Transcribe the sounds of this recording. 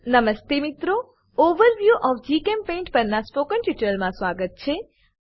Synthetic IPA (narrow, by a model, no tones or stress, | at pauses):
nəməst̪emit̪ɾo | oʋəɾʋjuʔɔfd͡ʒikempẽːɳʈpəɾnaspokəɳʈjuʈəɾmãsʋaɡət̪̚t͡ʃʰe